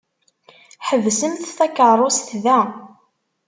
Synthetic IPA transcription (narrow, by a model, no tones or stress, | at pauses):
ħəvsəmθθækərˤosθðæ